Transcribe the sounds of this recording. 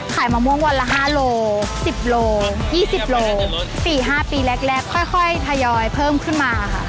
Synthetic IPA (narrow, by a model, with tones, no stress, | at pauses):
kʰaː˨˩˦jmaː˧mu˧˥ə˨ŋwa˧tla˦˧˥ɦaː˥˩loː˧si˨˩p̚loː˧jiː˥˩si˨˩p̚loː˧siː˨˩ɦaː˥˩piː˧lɛ˦˥k̚lɛ˦˥˩kʰːɔ˥˩jkʰɔ˥˩jt̪ʰa˧jɔː˧jpʰɤː˥˩˨mkʰɯ˥˩nmaː˧a˧kʰa˥˩ʔ